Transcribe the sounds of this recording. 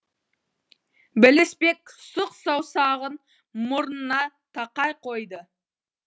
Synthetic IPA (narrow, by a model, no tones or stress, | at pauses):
bɪlɪspe̞ksʊqsɑwsɑʁən | mʊɾnənɑ | t̪ʰɑqɑjqʰo̞jd̪ə